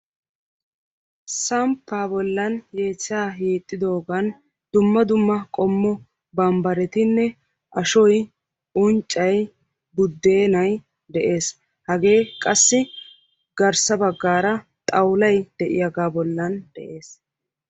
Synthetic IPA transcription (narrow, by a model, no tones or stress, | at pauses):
sɐmpːaːbɔlːɐnjeːt͡sːɪaːjiːt̪ʼːɪd̪o̞ːɡɐn | d̪̥ʊmːɐd̪ʊmːɐkʼɔmːɔ | bɐmbɐɾɛt̪ɪnːɛ | ʔɐʃɔj | ʊnt͡ʃʼːɐj | bʊd̪ːe̞ːnɐj | d̪ɛʔe̞ːs | hɐɡe̞ːkʼɐsːɪ | ɡɐɾsɐbɐɡːaːɾɐ | t̪ʼɐwlɐjd̪̥ɛʔɪ̰jɐɡaːbɔlːɐnd̪̥ɛ̰ʔe̞ːs